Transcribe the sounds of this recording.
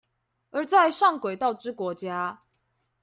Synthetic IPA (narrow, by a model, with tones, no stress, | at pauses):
ə˞˨˧˥t͡sa˥˧ɪʂɑ˥˩ŋkwe˨˩ɪt̪ɑ˥˩ʊʈ͡ʂɻ̩˥kwɔ˧˥t͡ɕja˥